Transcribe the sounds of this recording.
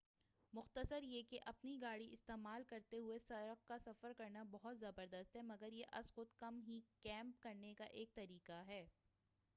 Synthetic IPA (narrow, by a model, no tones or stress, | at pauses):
mʊxt̪əsəɾjekeʔɐpniɡaːɽiɪst̪eːmaːlkɐɾt̪eɦʊesɐɾəqkasɐfəɾkɐɾnabɐɦʊt̪zɐbəɾd̪əst̪ɦɛmɐɡəɾjeʔɐ̰sxʊt̪kɐmɦikɛ̃ːmp̚kɐɾnekaʔeːk̚t̪ɐɾiːqaɦɛː